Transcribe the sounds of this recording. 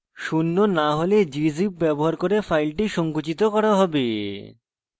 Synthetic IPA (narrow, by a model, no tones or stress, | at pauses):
ʃunːonaɦoled͡ʑizipbɛboɦaɾkoɾefajlʈiʃɔŋkut͡ɕit̪okɔɾaɦɔbe